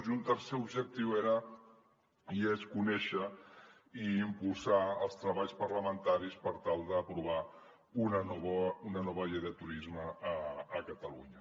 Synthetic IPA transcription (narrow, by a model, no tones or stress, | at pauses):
zunt̪əɾseubʒək̚t̪iweɾə | ieskunɛʃə | iimpulˠsaəlˠst̪ɾəβaʎspəɾləmənt̪aɾispəɾt̪alˠd̪əːpɾuβa | unənɔβəunənɔβəʎejðət̪uɾizməːkət̪əluɲə